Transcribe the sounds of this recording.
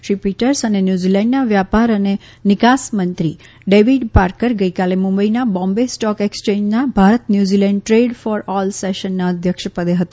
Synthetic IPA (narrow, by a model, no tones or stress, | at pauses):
ʃɾipiʈəɾsənenjuzilɛ̃ɳɖnaʋjapaɾəne | nɪkasmənt̪ɾi | ɖeʋiɖpaɾkəɾɡəikalemũmbəinabɔ̃mbesʈɔkekst͡ʃẽd͡ʒnabʱaɾət̪njuzilɛ̃ɳɖ̚ʈɾeɖfɔɾɔlseʃənːaəd̪ʱjəkʃəpəd̪eɦət̪a